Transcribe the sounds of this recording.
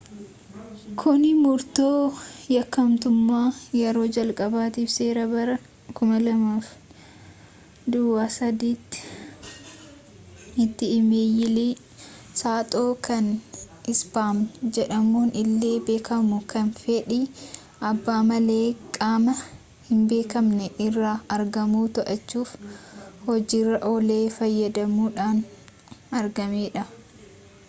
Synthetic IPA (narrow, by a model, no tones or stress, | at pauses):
kʰʊnɪmʊɾt̪oːjɐkːɐmt̪ʊmːaːjɛɾo̞ːd͡ʒɐlkʼɐbaːt̪iːfse̞ːɾɐbɐɾɐ | kʊmɐlɐmaːf | d̪ʊwaːsɐd̪iːt̪ː | ɪt̪ːɪːmeːjɪli | saːt̪ʼo̞ːkʰɐn | ʔɪsbaːmnɛd͡ʒɛᶑɐmuːnʔɪlːe̞ːbe̞ːkɐmʊkɐnfeᶑiː | ʔɐbːaːmɐleːkʼaːmɐ | hɪmbe̞ːkɐmnɛʔɪrːaːɐɾɡɐmuːt̪ɐʔɐt͡ʃːuːfhɔd͡ʒiːrːɐʔɔle̞ːfɐjːɐd̪ɐmuːᶑaːn | ɐɾɡɐmeːᶑɐ